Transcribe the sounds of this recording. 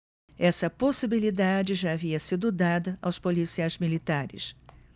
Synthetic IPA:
ɛsɐposibilid̪ad͡ʒɪʒaːviɐsid̪ʊd̪ad̪ɐʔawspolisiajzmilit̪aɾɪ̰s

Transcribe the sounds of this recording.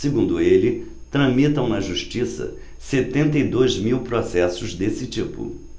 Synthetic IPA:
sɪɡũnd̪ʊelɪ | t̪ɾɐ̃mit̪ɐ̃ũmɐʒuʃt͡ʃisɐ̰ | set̪ẽnt̪ɐid̪ojzmiwpɾɔsɛsʊzd̪esɪt͡ʃipʊ̰

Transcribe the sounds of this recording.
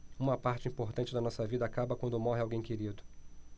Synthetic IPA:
ũmɐpaɾt͡ʃɪĩmpoɾt̪ɐ̃nt͡ʃɪd̪ɐnɔsɐvid̪ɐaːkabɐkwɐ̃nd̪ʊmɔɦɪawɡẽj̃keɾid̪ʊ

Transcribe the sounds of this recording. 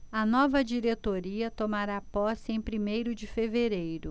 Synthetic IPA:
ɐnɔvɐd͡ʒiɾet̪oɾiɐt̪omaɾapɔsɪẽj̃pɾimejɾʊd͡ʒɪfeveɾejɾʊ

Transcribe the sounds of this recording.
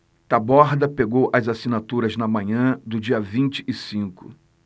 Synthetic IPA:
t̪abɔɾd̪ɐpeɡowʔɐzasinat̪uɾɐznɐmɐ̃ɲɐ̃d̪ʊd͡ʒiɐvĩnt͡ʃɪ̥ɪsĩkʊ̰

